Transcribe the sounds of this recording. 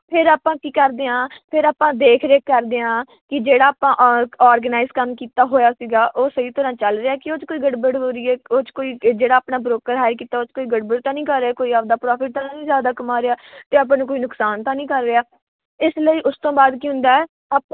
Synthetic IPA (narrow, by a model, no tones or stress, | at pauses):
pʰɪɾaːpãːkiːkəɾd̪eːãːpʰɪɾaːpãːd̪eːkʰɾeːkəɾd̪eːãː | kɪd͡ʒeːɽaːpãːʔaːɾɡənaːɪzkəmkiːt̪aːɦoːjaːsiːɡaːʔoːsəiːt̪əɾãːt͡ʃəlɾeːaːkɪoːt͡ʃkoːiːɡəɖbəɽɦoːɾɪɛːoːt͡ʃkoːiːd͡ʒeːɽaːaːpnaːbɾoːkəɾɦaːjəɾkiːt̪aːoːt͡ʃkoːiːɡəɖbəɽt̪ãːnĩːkəɾːeaːkoːiːaːp̚d̪aːpɾaːpʰɪʈ̚t̪ənãːnĩːzjaːd̪aːkəmaːɾeaːt̪eːaːp̬ãːnũkoːiːnʊksaːnt̪ãːnĩːkəɾːeːaː | ɪsləiːʔʊst̪õːbaːd̪kiɦʊ̃nd̪aːɛː | aːp